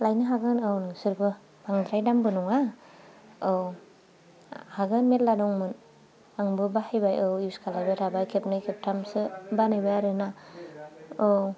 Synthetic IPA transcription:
lajnɯɦaɡɯnɯwnɯŋsɯɾbɯ | b̥aŋdɾajdambɯnɔŋa | ɯw | haɡɯnmet̚ladɔŋmɯn | aŋbɯbahajbajɯwuskʰalajbatʰabajkʰepnɯjkʰep̚tʰamsɯbanɯjbaaɾɯna | ɯw

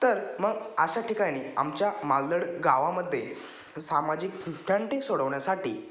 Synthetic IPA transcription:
t̪əɾməɡəɕaʈʰikaɽ̃iːamt͡ɕjamald̪əɽɡaʋaməd̪ʱːje | samad͡ʑikɡuʈʰːãɳʈ̪esoɽəʋɳjasaʈḭː

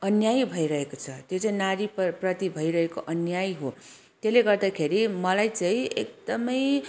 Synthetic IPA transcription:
ʌnjajbʱʌiɾʌɦekot͡sʰʌt̪jot͡saĩnaɾipprʌt̪ibʱʌiɾʌɦekoʔʌnjajɦo | t̪eleɡʌrd̪akʰeɾimʌlajt͡saĩḛk̚d̪ʌmʌj

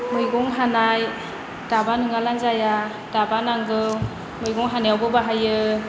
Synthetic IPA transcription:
mɯjɡɔŋɦanaj | d̥abanɯŋalanzaja | d̥abanaŋɡɯw | mɯjɡɔŋɦanajawbɯbaɦajɯ

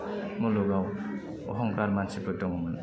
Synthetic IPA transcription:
mɔlɔɡaw | ɔɦɔŋkaɾmansipɯtɔŋmɯn

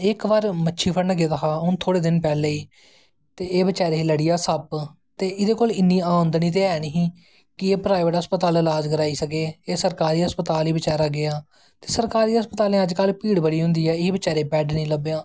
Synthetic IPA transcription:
ɪkʋaːɾmətːʃʰiːpʰənəɡeːd̪əɦaːʊnt̪ʰoːɽeːd̪ɪnpɛːleːiː | t̪eːeːʋət͡ʃaːɾeːləɽijaːsəp | t̪eːɪd̪eːkoːlɪnːiːaːʊ̃nd̪ɳiːt̪̬eːɛːnɦĩː | kɪeːpɾaːɪʋəʈəspət̪aːləlaːd͡ʒkəɾaːiːsəkeːeːsəɾkaːɾiːəspət̪aːliːbɪt͡ʃaːɾaːɡɪaː | t̪eːsəɾkaːɾiːəspət̪aːlẽːəd͡ʒkəlpiːɽbəɽiːɦʊ̃nd̪iːɛːɪiːbɪt͡ʃaːɾeːpɛːɖnĩːləbejaː

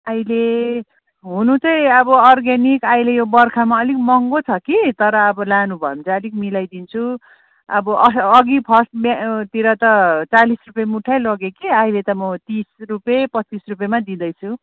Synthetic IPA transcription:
ajle | ɦunut͡sʌj̃ʌbʌʌrɡanikajlejobʌrkʰamaʌlikmʌŋɡot͡sʰʌkit̪ʌɾʌːbʌlanubʱʌmt͡saʌlikmilajd̪int͡sʰu | ʌbʌʔʌsʌɡipʰʌsʈmt̪iɾʌt̪ʌt͡salisrupjemuʈʰajlʌɡekiajlet̪ʌmʌt̪isrupepʌt͡sːisrup̬jemad̪id̪ʌjt͡sʰu

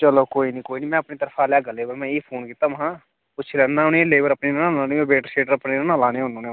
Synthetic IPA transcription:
t͡ʃəloːkoːinĩːkoːiːniːmɛ̃ːɐpnit̪əɾfʰaːlaːɡəleːbəɾmɛ̃ːiːpʰoːnkiːt̪aːʋɐɦãː | pʊt͡ʃʰlɛːnːaːʊneleːbəɾəpneːnːnalãːniobeːʈəʃeːʈəɾəpnenanãlaːneʊnõːne

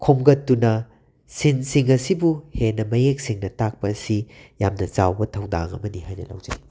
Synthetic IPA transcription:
kʰomɡɐtːunɐ | sinsiŋɐsibuhenɐmɐjek̚siŋnɐtak̚pɐːsijamnɐt͡ʃawbɐtʰɐwda̰ŋɐ̰mɐnihajnɐ̰la̰wd͡ʒɐ̰ni

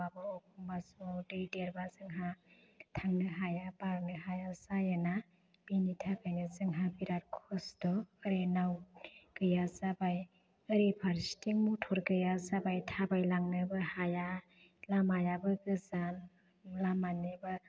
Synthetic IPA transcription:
abɯɔkʰumbasɔdedeɾbazɯŋɦa | tʰaŋnɯɦajabaɾnɯɦajasajana | b̥initʰakʰajnɯzɯŋɦabiɾaɾ̚kʰɔsdɔɯɾenawɡ̥ɯjazabaj | ɯɾipʰaɾstiŋmutʰɔɾɡɯjazabajtʰabajlaŋnɯbɯhaja | lamajabɯɡɯzan | lamanibɯ

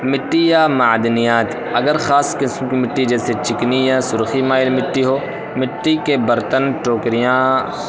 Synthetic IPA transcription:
mɪʈːijaːmaːd̪nɪjãːt̪ | ɐɡəɾxaːskɪsmkimɪʈːid͡ʒɛːset͡ʃɪknijaːsʊɾximaːɪlmɪʈːiɦoː | mɪʈːikebɐɾt̪ənt͡ʃoːkɾɪjãː

